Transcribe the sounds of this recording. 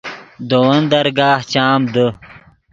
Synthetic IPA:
d̪owɐnd̪ɐɾɡaːht͡ɕaːmd̪ə

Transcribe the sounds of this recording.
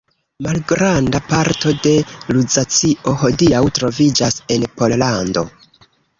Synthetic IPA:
malɡɾandapaɾto̞de̞luzat͡siʔo̞ho̞diawtɾo̞vid͡ʒase̞npo̞llando̞̰

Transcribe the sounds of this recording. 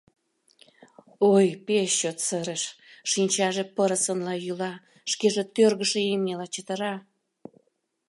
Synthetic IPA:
ojpeʃːot̪səɾəʃ | ʃinʲt͡ɕɑʒepəɾəsənlɑjylɑ | ʃkeʒet̪ørɣəʃeemelɑt͡ɕət̪ə̆ɾɑ

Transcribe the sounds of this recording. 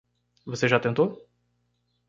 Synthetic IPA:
voseʒat̪ẽnt̪o

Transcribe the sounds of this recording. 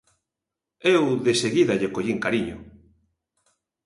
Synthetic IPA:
ewðeseɣiðaʎekoʎiŋkaɾiɲʊ̰

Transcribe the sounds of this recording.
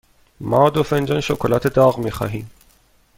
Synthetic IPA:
mɒːd̪ofend͡ʒɒnʃokʰolɒːt̪ʰe̞d̪ɒːɣmiːxɒ̰ːɦiːm

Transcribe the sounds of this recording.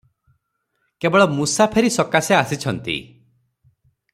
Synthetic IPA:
kebɔɭɔmusapʰeɾisɔkaseasit͡ʃʰɔnt̪ḭ

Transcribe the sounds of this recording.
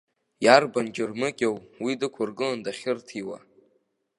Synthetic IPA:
jarband͡ʒɪrmɨkʲʼawwidɨkʷʰarɡɨlandaχʲɪrtʰiwa̰

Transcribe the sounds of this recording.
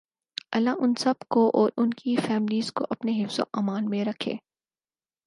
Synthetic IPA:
ɐlːaʔʊnsɐbkoʔɔːɾʊnkʰifɛːmɪliːzko̰ʔɐpneɦɪfz̥o̰ʔaːmaːlmẽɾɐkʰḛː

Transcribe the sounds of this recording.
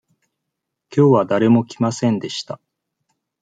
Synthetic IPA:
kʲo̞ːβad̪aɾe̞mo̞kʲimasẽ̞nd̪e̞ɕi̥t̪a

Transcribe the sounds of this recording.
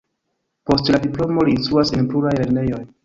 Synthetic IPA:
po̞stladiplo̞mo̞liːnst̪ɾuasenpluɾajle̞ɾne̞jo̞j

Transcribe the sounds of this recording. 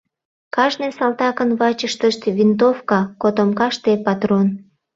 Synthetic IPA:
kɑʒnesɑlt̪ɑkənβɑt͡ɕəʃt̪əʃt̪vint̪̬ofkɑkot̪omkɑʃt̪epɑt̪ron

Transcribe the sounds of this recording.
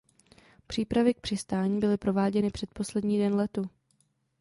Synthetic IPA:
pr̥iːpɾavɪk̚pr̝̥ɪst̪aːɲiːbɪlɪpɾo̞vaːɟɛnɪpr̥ɛt̪po̞slɛdɲiːdɛnlɛt̪u

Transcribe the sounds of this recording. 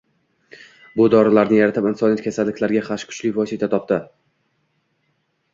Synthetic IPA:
bʊd̪ɒɾɪlaɾnɪjaɾat̪ʰɪpɪnsɒnjat̪kʲʰasalːɪkʲlaɾɡʲaχaʃkʰʊ̥t͡ʃliɪvɒsɪt̪ʰat̪ʰɒp̚t̪ɪ

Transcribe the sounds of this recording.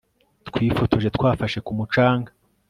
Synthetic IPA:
tkwiːfo̞tʰo̞ʒe̞t̪kwaːfaʃe̞kumut͡ʃaːŋɡa

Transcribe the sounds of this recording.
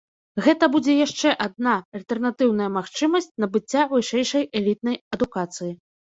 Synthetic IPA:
ɣɛt̪ɐbud͡zʲɛjaʂt͡ʂɛʔad̪̚naɐlʲt̪ɛrnat̪ɨwn̪ɐjɐmaxt͡ʂɨmɐsʲt͡sʲnɐbɨt͡sʲːavɨʂɛjʂɐjɛlʲit̪̚nɐjɐd̪ukat̪sɨji

